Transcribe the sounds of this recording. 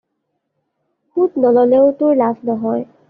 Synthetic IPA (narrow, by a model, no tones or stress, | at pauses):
xutnɔlɔleʊtʊɹlasnɔɦɔj